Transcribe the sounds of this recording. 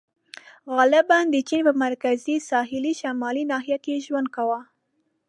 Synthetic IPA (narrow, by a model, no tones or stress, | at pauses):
ɣɑlɪband̪ət͡ʃinpəmaɾkazisɑɦɪliʃamɑlinɑɦijakeʒwand̪̚kawa